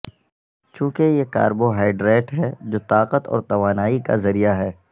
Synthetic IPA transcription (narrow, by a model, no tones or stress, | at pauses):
t͡ʃũːkejeka̰ːɾboɦaːɪɖɾeːʈɦɛd͡ʒoːt̪aːqət̪ɔ̰ːɾt̪ɐʋaːnaːika̰zɐɾijaɦɛː